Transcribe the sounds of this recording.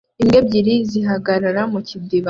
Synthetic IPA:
imɡebɟiɾiziɦaɡaɾaɾamucibdiβa

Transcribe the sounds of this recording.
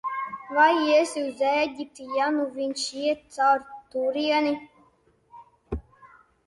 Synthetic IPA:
vajiɛsiuzɛɡʲip̚t̪ijanuvinʲʃiɛt̪̚sawɾt̪uɾiɛni

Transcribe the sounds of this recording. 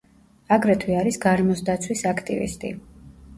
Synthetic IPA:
aɡɾɛt̪ʰwiaɾisɡaɾmɔsd̪at̪sʰwisakʰt̪ʼḭvḭst̪ʼḭ

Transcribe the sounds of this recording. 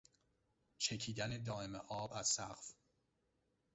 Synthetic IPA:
t͡ʃʰe̞cʰiːd̪æne̞d̪ɒːe̞meʔɒːbæz̥sæɢf

